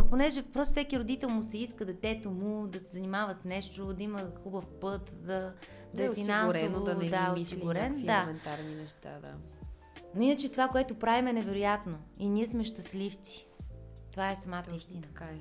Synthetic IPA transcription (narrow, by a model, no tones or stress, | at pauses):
ponɛʒɛpɾɔst̪ʊfsɛkiɾod̪it̪ɛlˠmʊsɛiskəd̪ɐt̪ɛt̪omud̪ɐsɛzɐnimavəsnɛʃt̪od̪ɐiməxubəfpɤt̪d̪ɐ | d̪ɐɛfinanɾd̪aɛossiɡʊɾɛnd̪amɛnt̪aɾninɛʃt̪a̰d̪a̰ | noinət͡ʃɛt̪ovakoɛt̪opɾavimɛnɛvɛɾojat̪noiniɛsmɛʃt̪ɐslift̪i̥t̪ovaɛsɐmat̪əist̪inə